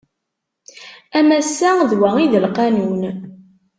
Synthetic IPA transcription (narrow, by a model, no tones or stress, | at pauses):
æmæsːæðwæiðəlqænun